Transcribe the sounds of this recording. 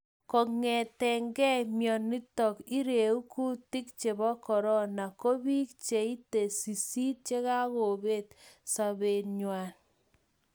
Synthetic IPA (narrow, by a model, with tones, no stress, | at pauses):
kɔ˨ŋɛ˨tɛ˨ŋɡɛ˦mjɔ˨ni˦tɔ˨ki˦ɾe˨u˦ku˦tɪ˦k̚t͡ʃe˨bɔ˦kɔ˨ɾɔ˦na˨ko˦bi˦kt͡ʃe˨i˦te˨si˨si˦t̚t͡ʃe˦ka˦ko˨be˦tsa˨be˨nɲwa˨n